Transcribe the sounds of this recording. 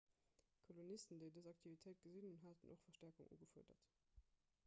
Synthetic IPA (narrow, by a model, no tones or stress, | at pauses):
kʰolonistən̩deɪdəzɑk̚tʰivitʰəɪt̚ɡ̥əzinunɦatənʔo̰χfɐʃtɛɐkuŋʔṵːɡəfṵɐdɐ̰t